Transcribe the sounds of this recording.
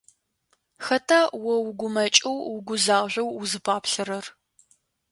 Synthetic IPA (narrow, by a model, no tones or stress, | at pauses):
xɐtʰawɔwʊɡʷʊmɐt͡ʃʼɐwwʊɡʷʊzaːʒʷɐwʊzɨpʰaːpɬɐɾɐr